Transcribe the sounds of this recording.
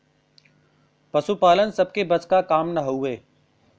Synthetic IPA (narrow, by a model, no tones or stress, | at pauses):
pɐsupaːlənsɐb̚kebɐskakaːmnɐɦoeː